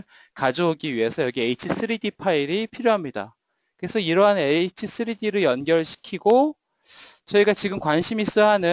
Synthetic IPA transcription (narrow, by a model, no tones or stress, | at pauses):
ɭ | kad͡ʑooɡiɥiɦe̞sʰʌjʌɡieit͡ɕʰis͈ɯɾidipʰaiɾipʰiɾjoɦamɲida̰ | kɯɾe̞sʰʌiɾʌɦaneit͡ɕʰis͈ʰɯɾidiɾɯɭjʌnɡjʌɭɕʰi̥kʰiɡo | t͡ɕʌiɡat͡ɕiɡɯmkwanɕʰimis͈ɯɦanɯ